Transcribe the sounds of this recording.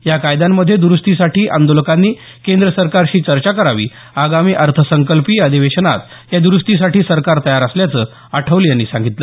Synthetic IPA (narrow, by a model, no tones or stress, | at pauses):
jakajd̪amːəd̪ʱːjed̪uɾust̪isaʈʰiːʔa̰nd̪oləkanːiː | kend̪ɾəsəɾkaɾɕiːt͡ɕəɾt͡ɕakəɾaʋḭː | aɡamiːʔəɾt̪ʰəsəŋkəlpiːəd̪ʱiʋeɕəna̰t̪ | jad̪uɾust̪is̬aʈiːsəɾkaɾt̪əjaɾəsljat͡səː | aʈʰəʋljanːiːsãŋɡit̪lə